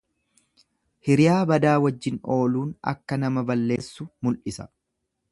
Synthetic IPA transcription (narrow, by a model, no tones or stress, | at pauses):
hɪɾɪjaːbɐd̪aːwɐd͡ʒːɪno̞ːluːnɐ̰kːɐnɐmɐbɐlːe̞ːsːʊmʊlʔɪsɐ̥